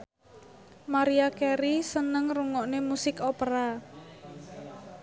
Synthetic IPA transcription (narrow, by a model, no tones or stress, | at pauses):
maɾiakɛɾisənəŋruŋɔʔnemusɪkopɾa